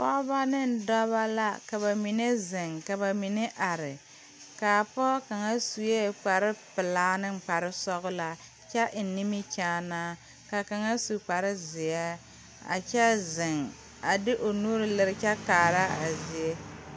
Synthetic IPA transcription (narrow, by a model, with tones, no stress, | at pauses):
kɔ˦ba˦nɪ˦n̩˨dɔ˦βa˦la˦ka˨βa˨mi˨ne˦zɪ˨ŋka˨ba˨mi˨ne˦ʔa˨ɾɪ˨ | ka˨pɔ˦ka˨ŋa˦su˨je˦k͡pa˨ɾɪ˦pɪ˨laː˦nɪ˦ŋ͡m̩˨k͡pa˨ɾɪ˦sɔ˦ɣʊ˦la˨ | t͡ʃɛ˦ʔɪ˨˦ni˦mi˦t͡ʃaː˦naː˦ | ka˨ka˨ŋa˦su˨k͡pa˨ɾɪ˦zɪ˨a˦ | a̰˨t͡ʃɛ˦zɪ˨ŋ | a˨dɪ˦ʔo˨nuː˦ɾɪ˦lɪ˨ɾɪ˦t͡ʃɛ˦kaː˨ɾa˦a̰˨zi˨e˦